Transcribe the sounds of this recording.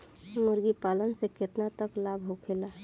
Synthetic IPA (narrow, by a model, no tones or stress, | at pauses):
moɾɡipalənseket̪nat̪əklabʱɦokʰela